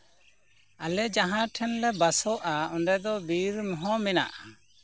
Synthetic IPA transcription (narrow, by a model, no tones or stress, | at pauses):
alɛd͡ʒaɦãʈʰɛnlɛbasɔʔaɔnɛd̪ɔbiɾmɔɦɔ̃mɛna̰ʔa